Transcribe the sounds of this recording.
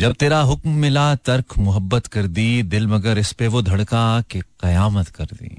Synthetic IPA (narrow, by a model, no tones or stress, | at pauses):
d͡ʒɐb̚t̪eːɾaɦʊkmːɪlat̪ɐɾkmʊɦəbːət̪kɐɾd̪iːd̪ɪlmɐɡəɾɪspeʋod̪ʱɐɽkakeqɐjaːmət̪kɐɾd̪ḭː